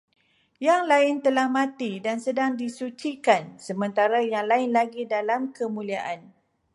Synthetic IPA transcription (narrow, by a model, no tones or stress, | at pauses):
jaŋlaɪnt̪əlahmãt̪idansədaŋdisut͡ʃikansəmə̃nt̪aɾajaŋlaɪnlaɡidalamkəmũliaʔan